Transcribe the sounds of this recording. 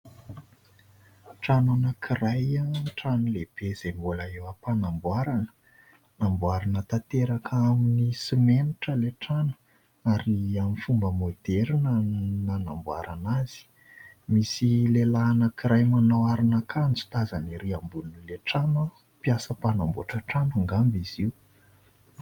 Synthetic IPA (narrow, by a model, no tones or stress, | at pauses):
ʈ͡ʂananəkʰiɾajaʈ͡ʂanuleb̥ez̥embulaewəpanambwaɾanə̥ | nambuaɾanət̪at̪eɾakʰaminisimeniʈ͡ʂəleʈ͡ʂanu̥ | aɾiamifumbəmod̪eɾinənanambwa̰ɾanaz̥i̥ | misilelaːnəkiɾajmanawaɾinakand͡zu̥t̪azaniɾiambulunileʈ͡ʂamə | piasəpanambuaʈ͡ʂaʈ͡ʂanaŋɡambiz̥iw